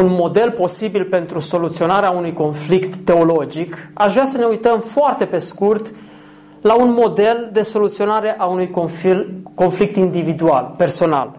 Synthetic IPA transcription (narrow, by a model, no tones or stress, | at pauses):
unmo̞d̪e̞lpo̞sibilpe̞nt̪ɾuso̞lut̪sio̞naɾeaunujko̞nflikt̪ːe̞o̞lo̞d͡ʒikaʃvasəne̞ujt̪əmfoart̪e̞pe̞skurt̪ | launmo̞d̪e̞ld̪e̞so̞lut̪sio̞naɾe̞ʔaunujoko̞nflik̚t̪ind̪ivid̪ua̰lpe̞rso̞na̰l